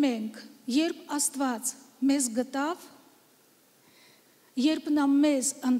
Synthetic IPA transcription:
mɛŋkʰjɛɾpʰɑst̪vɑt͡smɛzɡət̪ɑv | jɛɾpʰnɑmɛzən

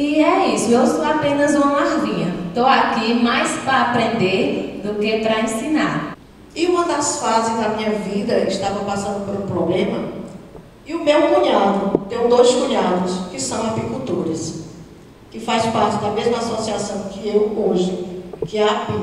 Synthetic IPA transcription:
iɛisʊewsowapẽnɐzũɐmaɾdĩɲɐt̪owakimajspɾɐːpɾẽnd̪eɾd̪ʊkepɾɐẽsĩnaɾ | iũmɐd̪ɐsfazɪzd̪ɐmĩɲɐvid̪ɐɪʃt̪avɐpasɐ̃nd̪ʊpoɾũpɾoblẽmɐ | iʊmewkũɲad̪ʊt̪ẽw̃d̪ojskũɲad̪ʊskɪsɐ̃w̃apikut̪oɾɐs | kɪfajspaɾt͡ʃɪd̪ɐmezmɐasosiasɐ̃w̃kɪewoʒʊkɪapi

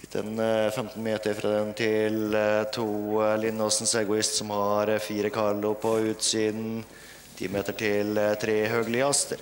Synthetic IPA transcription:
ɪt̪ʰːɛ̰nfɛmt̪n̩meːt̪əɾfɾɑ̰ːd̪ɛnt̪ʰɪlt̪ʰuːlɪnːosn̩sɛɡʊɪst̪sɔmhɑɾfiːɾəkʰɑɭʊpʰɔʉːt̪siːd̪n̩ | t̪ʰḭːmeːt̪əʈʰɪlt̪ʰɾeːɦøːɡəlɪɑst̪əɾ

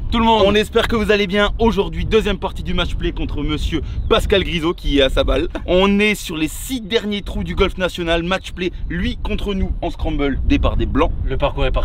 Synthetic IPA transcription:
t̪ulmɔ̃ɔ̃nɛspɛʁkəvuzalebjɛ̃oʒuʁd̪ɥid̪øzjɛmpaʁt̪id̪ymat͡ʃplekɔ̃t̪χəməsjøpaskalɡʁizokʲiɛasabalɔ̃nɛsyʁlesid̪ɛʁnjet̪χud̪yɡɔlfnasjɔnalmatt͡ʃplelɥikɔ̃t̪χənuɑ̃skχɑ̃bɔld̪epaʁd̪eblɑ̃ləpaʁkuːʁɛpa

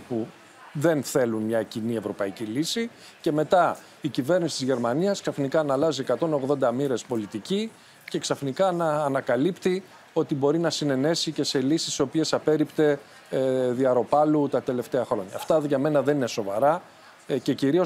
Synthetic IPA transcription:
pu | ðe̞nθe̞lunmɲɐcinie̞vɾo̞pɐicilisi | ce̞me̞t̪ɐ | icive̞ɾnisi̥t̪izʝe̞ɾmɐniɐsksɐfnikɐːnɐlɐziekɐt̪o̞no̞ɣðo̞nd̪ɐmiɾe̞spo̞lit̪ici | ce̞ksɐfnikɐnɐːnɐkɐlipt̪i | o̞t̪ibo̞ɾinɐsine̞ne̞sice̞se̞lisi̥so̞pie̞sɐpe̞ɾipt̪e̞ | ðiɐɾo̞pɐlut̪ɐt̪e̞le̞ft̪e̞ɐxɾo̞ɲɐ̰ːft̪ɐðʝɐme̞nɐðe̞nine̞so̞vɐ̰ɾɐ | ce̞ciɾio

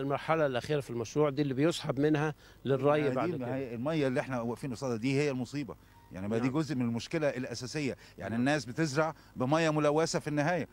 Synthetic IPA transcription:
lmɑɾˤħɑlælʔæxiːɾæfilmæʃɾuːʕd̪iːlːibejosˤħɑbmɪnhæ | lɪrˤːɑjbaʕd̪hæjːelmæjːlːiʔeħnæwæʔfiːnosˤɑːd̪ɑd̪iːhejːælmosˤiːbɑ̰ | ja̰ʕnibæiːɡozʔmenelmʊʃkelæʔelʔæsæːsejːæ | ja̰ʕninːæːsbet̪ezɾˤɑʕ | bɪmæjːɑmʊlæwːæsæfinːɪɦæːjæ

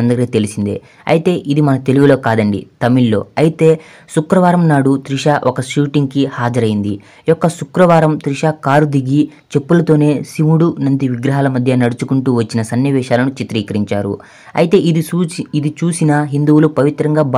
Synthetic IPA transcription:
ɐnd̪ɐɾit̪e̞lisind̪ḛ | ɐ̰jit̪e̞ːʔid̪imɐnɐt̪e̞luɡulo̞ːkaːd̪ɐɳɖḭt̪ɐmilːo̞ːɐjit̪e̞ː | sukɾɐʋaːɾɐmnaːɽut̪ɾiʂaːʔɔkɐʃuːʈiŋɡkihaːd͡ʒɐɾɐjind̪i | jɔkːɐsukɾɐʋaːɾɐmt̪ɾiʂaːkaːɾud̪iɡi | t͡ʃe̞pːulɐt̪o̞ːne̞ːsimuɽunɐnd̪iʋiɡɾɐɦaːlɐmɐd̪ʱjɐnɐɽut͡ʃukuɳʈuːʋɐt͡ʃːinɐsɐnjɐʋɛːʃaːlɐnut͡ʃit̪ɾiːkɐɾiɲt͡ʃaːɾṵ | ɐ̰jit̪e̞ːiid̪it͡ʃuːsinɐɦind̪uwulupɐʋit̪ɾɐŋɡaːb

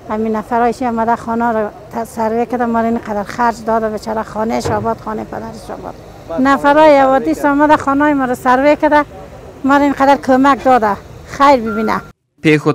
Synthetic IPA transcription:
aminafaɾɔjiʃiɔmad̪axɔnɔɾat̪saɾwekad̪amɔɾainqad̪aɾxaɾd͡ʒd̪ɔd̪abet͡ʃɔɾaxɔneʃɔbɔt̪xɔnepa̰d̪aɾɪʃɔ̰bɔ̰d̪̚ | nafaɾɔjawɔd̪isɔmad̪axɔnɔimɔɾɔsaɾwekad̪a | mɔɾainqad̪aɾkʰomak̚d̪ɔd̪axajɾbibina̰ | pexʊ

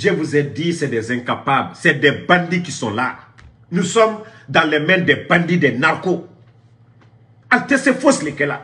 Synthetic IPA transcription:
ʒevuzɛdisɛdɛzɛ̃ŋkapablsɛdɛbãndikisɔ̃la̰ | nusɔmdãlɛmɛ̃ndɛbãndidɛnaɾko | altɛsɛfoslekɛla̰

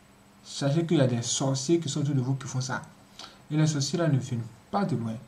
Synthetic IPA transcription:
saʃ̬ekeiadɛsɔsek̬isɔ̃t̬udovokifɔ̃sa̰ | ilɛsɔselanefĩnũpadelw̃ɛ̃

